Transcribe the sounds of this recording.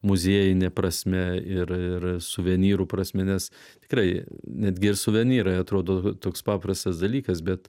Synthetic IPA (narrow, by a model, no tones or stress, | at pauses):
mʊzʲiːjɪnʲɛpɾɐsʲmʲɛɪɾɪrsʊʋʲɛnʲiːɾuːpɾɐsʲmʲɛnʲɛs | t̪ʲɪ̥kɾɐɪnʲæːd̪ʲɡʲɪɪɾsʊʋʲɛnʲiːɾɐɪɐt̪ɾoːd̪oːt̪oːkspɑːpɾɐst̪ɐsd̪ɐlʲiːkɐsbʲɛt̪